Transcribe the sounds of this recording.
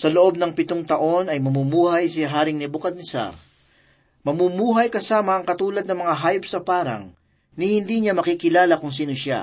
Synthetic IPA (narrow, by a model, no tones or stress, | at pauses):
sɐloʔo̞b̚nɐŋpɪt̪oŋt̪ɐʔo̞nɐjmɐmumuːhɐjsɪɦaːɾɪŋnɪbʊkɐd̪̚nɪsa̰ɾ | mɐmumuːɦɐjkɐsaːmɐʔːŋkɐt̪uːlɐd̪nɐŋmɐŋaɦaːjpsɐpaːɾɐ̰ŋ | nɪhɪnd̪iɲamɐkikɪlaːlɐkʊŋsiːnoʃa̰